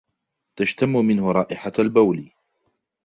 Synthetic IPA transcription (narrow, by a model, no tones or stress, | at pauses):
t̪aʃt̪amːʊmɪnhʊɾˤɑːʔɪħaalbawl